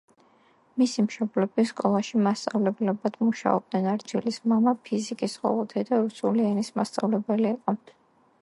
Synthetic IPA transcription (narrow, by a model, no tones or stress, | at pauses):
misimʃɔblɛbiskʼɔlˠaʃimast̪sʼavlɛblɛbad̪̥muʃa̰ɔ̰b̚d̪nɛnaɾd͡ʒilismamapʰizikʼisqʼɔ̰vɛt̪ʰɛd̪aɾusuliɛnismast̪sʼavlɛbɛliːqʼɔ